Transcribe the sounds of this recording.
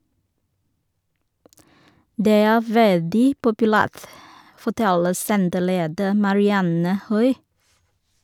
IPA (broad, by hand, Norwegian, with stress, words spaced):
ˈdeː ˈæː ˈʋɛldɪ pʊpʉˈlæːʁt fɔˈtɛlə ˈsɛntəˌleːdə mɑɹɪˈɑnə ˈhœʏ